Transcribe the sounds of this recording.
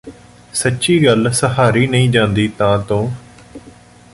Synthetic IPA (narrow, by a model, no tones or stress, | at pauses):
sətːʃiːɡəlsəɦaːɾiːnəĩːd͡ʒãːnd̪iːt̪ãːt̪õː